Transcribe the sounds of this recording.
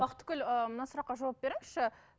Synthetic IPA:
bɑqət̪ːə̥kʲɪləmənɑsʊɾɑqːɑʒɑwɑp̚be̞ɾɪŋɪsʃɪ

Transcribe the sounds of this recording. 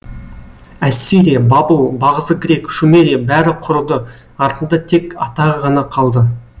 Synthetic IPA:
æsːiɾijabɑbəlˠbɑʁəzəɡʲɾʲe̞kʃumeɾijabæɾɪqʰʊɾəlˠd̪ə | ɑɾt̪ənd̪ɑt̪ʰe̞kɑt̪ɑʁəʁɑnɑqʰɑlˠd̪ə

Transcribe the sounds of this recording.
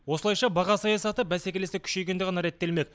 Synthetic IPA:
wo̞səlˠɑjʃɑbɑʁɑsɑjɑsɑt̪əbæsekʲe̞le̞sekʲʰʏ̥ʃe̞jɡʲed̪ɪqʁɑnɑɾe̞t̪ːe̞lme̞k̚

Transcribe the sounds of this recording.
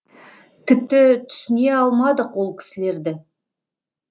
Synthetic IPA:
t̪ʲʰɪp̚t̪ɪt̪ʰʏ̥sɪneɑlˠmɑd̪əqwo̞lˠkʲʰɪ̥sɪle̞ɾd̪ɪ

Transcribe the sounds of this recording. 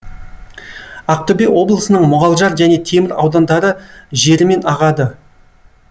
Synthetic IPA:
ɑq̚t̪ɵbewo̞blˠəsənəɴmʊʁɑlˠʒɑɾʒæne̞t̪ʰe̞mɪɾɑ̰wd̪ɑnd̪ɑɾəʒe̞ɾɪme̞nɑʁɑd̪ə

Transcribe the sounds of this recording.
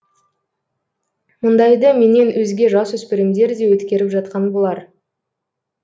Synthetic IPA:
mʊnd̪ɑjd̪əme̞ne̞nwɵzɡʲe̞ʒɑswɵspɪɾɪmd̪e̞ɾd̪e̞wɵt̪kʲe̞ɾɪpʒɑt̪̚qɑnbo̞lˠɑɾ

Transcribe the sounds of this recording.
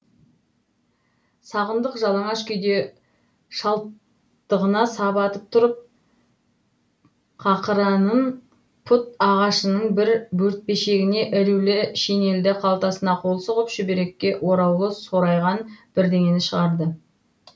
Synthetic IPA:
sɑʁənd̪əqʒɑlˠəɴɑʃkʲʏjd̪e̞ | ʃɑlˠ | əʁənɑsɑbɑt̪əp̚t̪ʰʊɾəp̚ | qʰɑqəɾɑnəɴ | pʰʊt̪ɑʁɑʃənəɴbɪɾbɵɾt̪̚pe̞ʃe̞ɡʲɪne̞ʔɪɾulɪʃene̞ld̪ɪqʰɑlˠt̪ɑsənɑqʰo̞lˠsəʁəpʃɪbeɾe̞kʲːe̞ʔwo̞ɾɑwlˠəso̞ɾɑjʁɑnb̥ɪɾd̪e̞ŋʲe̞nɪʃəʁɑɾd̪ə

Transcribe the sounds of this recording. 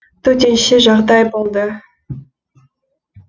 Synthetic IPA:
t̪ʰɵt̪̬e̞nʃeʒɑʁd̪ɑjbo̞lˠd̪ə

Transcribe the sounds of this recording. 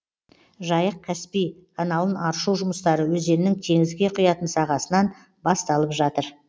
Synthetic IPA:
ʒɑjəq̚kʲʰæspijkʰanɑlˠənɑɾʃuwʒʊməst̪ɑɾəwɵzd̪e̞ɾɪnɪŋt̪ʰe̞ŋɪzɡʲe̞qʰʊjɑt̪ənsɑʁɑsənɑn | bɑst̪ɑlˠəpʒɑt̪əɾ

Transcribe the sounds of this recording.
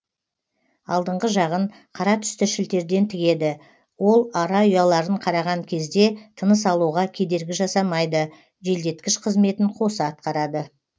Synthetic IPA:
ɑlˠd̪əɴʁəʒɑʁəɴ | qʰɑɾɑt̪ʰʏ̥st̪ɪʃɪlt̪e̞ɾd̪e̞nt̪ʰɪɡʲe̞d̪ɪ | wo̞lˠɑɾɑʏjɑlˠɑɾəɴqʰɑɾɑʁɑŋkʲʰe̞zd̪e̞t̪ʰənəsɑlˠuʁɑkʲʰe̞d̪e̞ɾɡʲɪʒɑsɑmɑjd̪ə | ʒe̞ld̪e̞t̪kʲɪʃqʰəzme̞t̪ɪɴqʰo̞səɑt̪̚qɑɾɑd̪ə

